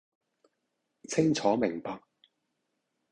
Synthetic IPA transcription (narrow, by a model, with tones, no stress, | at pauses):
t͡sʰɪ˥ŋt͡sʰɔː˨˥mɪ˨˩ŋpaː˧k̚